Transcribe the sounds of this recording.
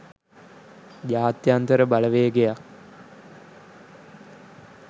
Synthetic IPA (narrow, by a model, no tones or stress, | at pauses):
d͡ʒaːt̪jant̪əɾəbaləʋeːɡejak